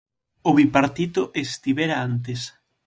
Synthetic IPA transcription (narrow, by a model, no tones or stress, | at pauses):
oβipaɾt̪it̪oʔest̪iβeɾaant̪es